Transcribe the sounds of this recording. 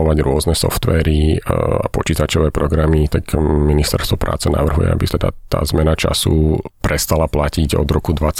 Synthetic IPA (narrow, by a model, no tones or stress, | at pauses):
ɔʋaɟɾʊɔznɛsɔ̰ft̪ʋɛːɾia̰pɔt͡ʃiːt̪at͡ʃɔʋɛːpɾɔɡɾamit̪aɡminist̪ɛɾst̪ʋɔpɾʔa̰ːt͡sɛna̰ʋr̩ɦujɛ̰a̰bit̪ɛd̪a̰t̪a̰ːzmɛnat͡ʃa̰sṵpɾɛst̪alaplaciɟɔ̰d̪ɾɔkud̪ʋat͡s